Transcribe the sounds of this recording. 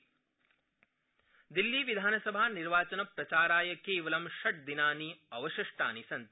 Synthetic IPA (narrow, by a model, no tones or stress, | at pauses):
d̪ilːiːʋid̪ʱaːnɐsɐbʱaːniɾʋaːt͡ʃɐnɐpɾɐt͡ʃaːɾaːjɐkeːʋɐlɐmʃɐʈ̚d̪inaːniɐʋɐʃiʂʈa̰ːnisɐnt̪